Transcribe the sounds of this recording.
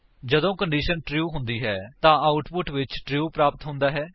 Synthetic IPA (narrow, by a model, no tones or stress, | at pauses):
d͡ʒəd̪õːkəɳɖiːʃənʈɾjuːɦʊ̃nd̪iːɦɛːt̪ãːaːʊʈpʊʈʋɪt͡ʃʈɾiuːpɾaːpət̪ɦʊ̃nd̪aːɦɛː